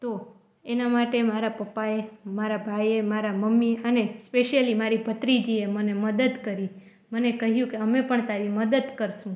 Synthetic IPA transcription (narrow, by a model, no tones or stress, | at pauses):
t̪o | enamaʈemaɾapəpːaemaɾabʱajemaɾaməmːiənespeʃəlimaɾibʱət̪ɾid͡ʒieməneməd̪əd̪kəɾi | mənekəɦjũkeəmepəɳt̪aɾiməd̪əd̪kəɾʃũ